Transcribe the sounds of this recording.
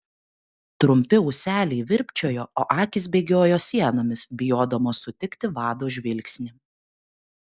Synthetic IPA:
t̪ɾʊmʲpʲɪʊsʲæːlʲɛɪʋʲɪɾʲpʲt͡ʃʲoːjoːoːʔɑːkʲɪsbʲeːɡʲoːjoːsʲiɛnoːmʲɪsbʲɪjoːd̪ɐmoːsʊt̪ʲɪkt̪ʲɪʋɑːd̪oːʒʲʋʲɪlʲksʲnʲɪ

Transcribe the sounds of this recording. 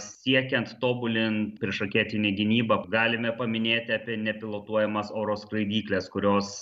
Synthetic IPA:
sʲiɛkʲɛnt̪t̪oːbʊlʲɪnpʲɾʲiɛʃɐkʲeːt̪ʲɪnʲeːɡʲɪnʲiːbɐɡɑːlʲɪmʲɛpɐmʲɪnʲeːt̪ʲɪɑːpʲiɛnʲɛpʲɪlˠoːt̪uɔjɛmɐsoːɾoːskɾɐɪd̪ʲiːklʲɛskʊɾʲoːs

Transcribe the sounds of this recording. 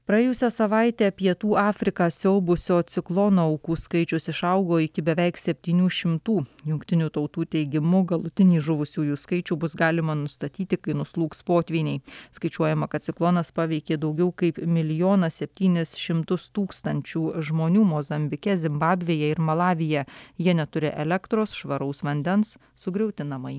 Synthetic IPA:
pɾɐjeːjʊsʲɛsɐʋɑˑɪt̪ʲeːpʲiɛt̪uːʔɑːfʲɾʲɪkɑːsʲoʊbʊsʲoːt̪sʲɪklˠoːnoːɐʊkuːskɐɪt͡ʃʲʊsɪʃɐʊɡoːɪkʲɪbʲɛʋʲɛɪksʲɛpʲt̪ʲiːnʲuːʃʲɪmt̪uːjʊŋkt̪ʲɪnʲuːt̪ɐʊt̪uːt̪ʲɛɪɡʲɪmʊɡɐlˠʊt̪ʲɪnʲiːʒʊʋʊsʲuːjuːskɐɪt͡ʃʲuːbʊsɡɑːlʲɪmɐnʊst̪ɐt̪ʲiːt̪ʲɪkɐɪnʊslˠuːkspoːt̪ʲʋʲiːnʲɛɪskɐɪt͡ʃʲuɔjɛmɐkɐt̪t̪sʲɪklˠoːnɐspɑːʋʲɛɪkʲeːd̪ɒʊɡʲɛʊkɐɪpmʲɪlʲɪjoːnɐsʲɛpʲt̪ʲiːnʲɪsʃʲɪmt̪ʊst̪uːkst̪ɐnʲt͡ʃʲuːʒmoːnʲuːmozɐmʲbʲɪkʲɛzʲɪmbɑːbʲʋʲeːjɛɪɾmɐlˠɑːʋʲɪjɛjiɛnʲɛt̪ʊɾʲɪʔɛlʲɛkt̪ɾoːsʃʋɐɾɐʊsʋɐnʲd̪ʲɛns | sʊɡɾʲɛʊt̪ʲɪnɐmɐɪ

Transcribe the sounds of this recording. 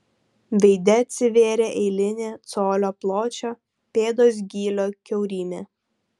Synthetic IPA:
ʋʲɛɪd̪ʲɛɐt̪ʲsʲɪʋʲeːɾʲeːʔɛɪlʲɪnʲeːt̪soːlʲoːplˠoːt͡ʃʲoː | pʲeːd̪oːs̬ɡʲiːlʲoːkʲɛʊɾʲiːmʲeː

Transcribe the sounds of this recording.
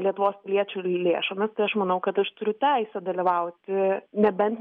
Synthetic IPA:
lʲiɛt̪ʊʋoːspʲɪlʲiɛt͡ʃʲʊlʲeːʃomʲɐst̪ɐɪɐʃmɐnɐʊkɐt̪ɐʃt̪ʊɾʲʊt̪ʲæɪsʲɛd̪ɐlʲiʋɐʊt̪ʲɪnʲɛbʲɛnʲt̪

